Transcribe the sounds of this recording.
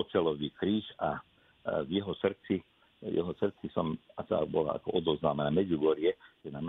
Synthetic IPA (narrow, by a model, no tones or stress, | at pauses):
ɔt͡sɛlɔʋiːkɾiːxa | vjɛɦɔsr̩t͡si | jɛ̰ɦɔsr̩t͡sisɔmat̪a̰bɔla̰a̰kɔʔɔd̪ɔznaːmanamɛd͡zuɡɔɾiɛt̪ɛnam